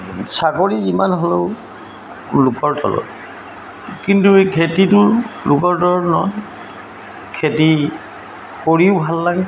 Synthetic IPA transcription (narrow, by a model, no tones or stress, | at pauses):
saɡoɹiimanɦɔleʊ | lʊkɔɹtɔ̰lɔ̰ | kintukʰetitʊlʊkɔɹtɔɹɔnɔn | kʰeti | koɹiʊbʱalːaɡɛ